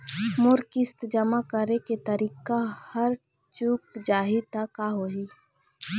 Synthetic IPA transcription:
mʊɾkɪst̪d͡ʒəmakəɾeket̪əɾiːkahəɾ | t͡ʃuːk̚d͡ʒaːɦit̪akaɦoːɦiː

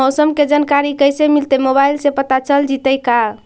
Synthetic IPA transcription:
ɔsəmked͡ʒankaɾikəjsemilt̪emobailsẽpət̪at͡ʃəld͡ʒit̪əjka

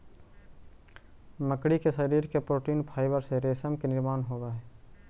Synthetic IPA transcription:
məkɽikesəɾiːɾkepɾoːʈiːnpʰaːɪbəɾseɾeːsəmkenɪɾmaːnɦoːdaɦɛː

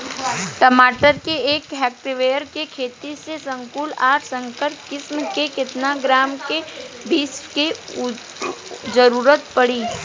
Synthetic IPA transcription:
ʈəmaːʈəɾkieːkɦɛːk̚ʈɪʋeːjəɾkekʰeːt̪isesə̃ŋkuːlaːɾsə̃ŋkəɾpkɪsmkekɪt̪naɡɾaːmkebiːsʈke | zəɾuːɾət̪pəɽiː

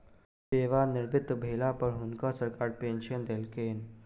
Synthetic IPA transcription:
seːʋanɪɾʋɪt̪bʱelapəɾɦunkasəɾkaːɽpenɕənd̪elkeːn

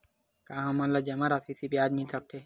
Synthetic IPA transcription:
kaːɦɐmalːad͡ʒɐmaɾasisibiaːd͡ʒ̪mɪlsɐk̚t̪ʰeː

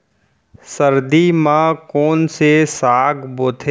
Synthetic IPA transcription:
səɾd̪imãkoːnsesaːɡboːt̪ʰeː

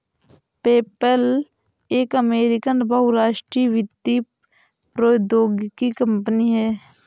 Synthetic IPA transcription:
peːpəl | eːkəmeːɾɪkənbɐɦuɾaːʃʈɾiʋɪd̪i | pɾoːd̪oːɡkikə̃mpniɦɛː

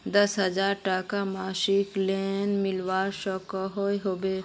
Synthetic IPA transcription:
d̪əsɦəd͡ʒaːɾʈakamaːʃikleːnmɪlʋaːɾʃɔkaɦoeɦoːbeː

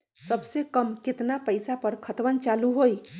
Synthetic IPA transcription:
səbsekəmket̪napəɪsapəɾkʰət̪ʋənt͡ʃaluɦoj

